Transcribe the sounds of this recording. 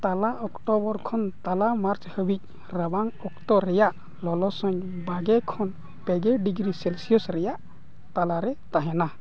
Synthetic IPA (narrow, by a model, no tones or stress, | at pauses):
t̪alaɔkʈɔbɔɾkʰɔnt̪alamaɾt͡ʃhəbic̚ | ɾabaŋɔkt̪ɔɾɛjaʔ | lɔlɔsɔɲbaɡɛkʰɔn | pɛɡɛɖiɡɾisɛlsijɔsɾɛjaʔ | t̪alaɾɛt̪aɦɛna